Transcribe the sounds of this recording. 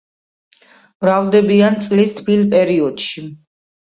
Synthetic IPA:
mɾavd̪ɛbiant̪sʼlist̪ʰpʰilpʼɛɾiɔd̪̥ʃi

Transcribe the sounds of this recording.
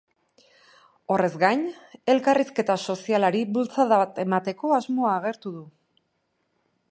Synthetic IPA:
o̞re̞zɡajɲe̞lkariske̞t̪aso̞sialaɾiβult͡saðat̪e̞mat̪e̞ko̞azmo̞aːɣ̞e̞ɾt̪uðu

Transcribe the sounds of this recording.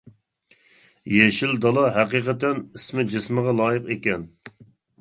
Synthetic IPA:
jeʃild̪ɑlˠɑɦæqiqət̪ːɛnismɪd͡ʒɪsməʁɑlˠɑːjəqekʲɛn

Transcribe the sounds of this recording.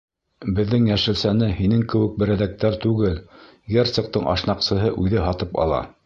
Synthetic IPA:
bɘ̆ðːɘŋjæʃɘ̆lsænɘhinɘŋkɘ̆wɘ̆k̚bɘ̆ɾæðæk̚t̪æɾt̪ʉɡɘl | ɡert̪sɤ̆q̚t̪ɤɴʔɑ̰ʃnɑqsɤ̆ɦɤʔʉðɘɦɑt̪ɤpɑ̰lˠɑ̰

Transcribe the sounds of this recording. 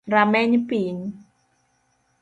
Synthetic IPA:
ɾamɛɲipin

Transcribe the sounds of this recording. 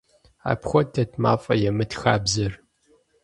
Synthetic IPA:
a̰ːpxʷɔdʰɐtʰma̰ːfʼɐjɛmɨtxaːbzɐr

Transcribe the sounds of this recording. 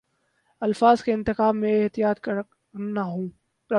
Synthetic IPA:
ɐlfaːzkeɪ̃nt̪ɪxaːbmẽɪɦt̪ɪijaːt̪k | naɦõː | ɾɐ

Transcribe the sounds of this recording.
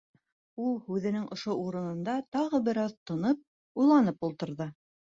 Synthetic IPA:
ulˠhʉðɘ̆nɘŋŏʃouɾɤ̆nɤ̆nd̪ɑt̪ɑʁɤbɘ̆ɾɑðt̪ŏnɤp̚ | ujlˠɑnɤpulˠt̪ɤ̆ɾðɤ

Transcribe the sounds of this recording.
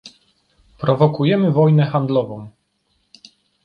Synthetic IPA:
pɾɔvɔkujɛmɘvɔjnɛxand̪lɔvɔ̃w̃

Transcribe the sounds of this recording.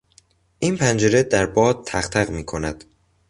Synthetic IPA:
ʔiːnpʰænd͡ʒeɾed̪æɾbɒːd̪̚t̪ʰæxt̪ʰæɣmiːkʰo̞næd̪̥

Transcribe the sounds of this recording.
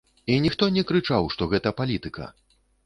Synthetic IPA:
inʲixt̪ɔnʲɛkɾɨt͡ʂawʂt̪ɔɣɛt̪ɐpalʲit̪ɨkɐ̰

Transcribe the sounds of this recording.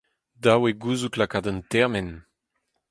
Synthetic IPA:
daweɡuzuklakadantɛʁmɛn

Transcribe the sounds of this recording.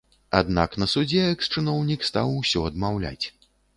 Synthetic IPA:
a̰d̪naknɐsud͡zʲɛɛkst͡ʂɨnɔwnʲikst̪awsʲɔɐd̪mawlʲa̰t͡sʲ

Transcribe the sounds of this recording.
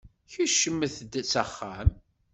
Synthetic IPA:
çəʃəmːəθd̪æt͡sːæχːæm

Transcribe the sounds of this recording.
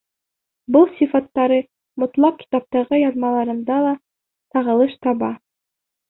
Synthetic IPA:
bɯlˠsʲifat̪ːɑɾɤ | mʊ̆t̪lˠɑq̚kʲi̥t̪ɑp̚t̪ɑʁɤjɑðmɑlˠɑɾɤ̆nd̪ɑlˠɑ | t̪ɑʁɤ̆lˠɤʃt̪ɑβɑ

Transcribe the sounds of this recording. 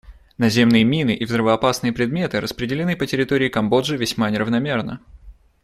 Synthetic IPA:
nɐzʲe̞mnɨjəmʲinɨʔivzɾəvəɐpasnɨjəpɾʲɪd̪mʲe̞t̪ɨɾəspɾʲɪdʲɪlʲɪnɨpətʲɪɾʲɪt̪oɾʲɪːkɐmbo̞dʐɨvʲɪsʲmanʲɪɾəvnɐmʲe̞rnə̰

